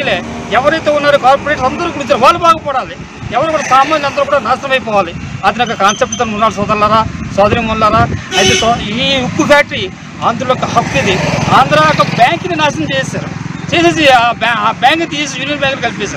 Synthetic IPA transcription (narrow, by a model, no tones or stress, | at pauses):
ileɛʋɐɾɐjt̪oːunːaːɾukaːɾpːɾeʈsɐnd̪ɐɾukuɽit͡ʃɐɾɐʋaːlubaːɡɐpɔːɽaːli | ɛʋɐɾekuːɽɐsaːmaːnlɐnd̪ɐɾukuːɽɐnaːsɾɐmɐjpɔːʋaːliɐt̪ɐnɐkːɐkaːnsep̚ʈt̪ɐnunːaːls̬ɔːd̪ɐlːaːɾaːswaːd̪ɐɾimɔlaːɾaːɐt̪ekoiukːupʰaːk̚ʈɐɾi | aːnd̪uɾlokːɐɦɐkːid̪iaːnd̪ɾaːkːɐbaːŋkininaːsɐmt͡ʃeːjsaɾt͡ʃeːsas̬ibabaːŋkɐt̪ːijes̬juːnijɐnbʲjaːŋkliɡɐlpes̬aːɾ